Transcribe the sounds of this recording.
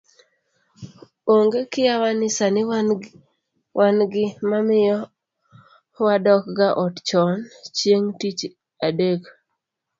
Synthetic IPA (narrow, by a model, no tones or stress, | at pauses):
oŋɡekɪjawanɪsanɪ | wʔanɡɪmamɪjɔ | wadɔk̚ɡaʔɔtt͡ʃɔnt͡ʃjeŋtit͡ʃ | adek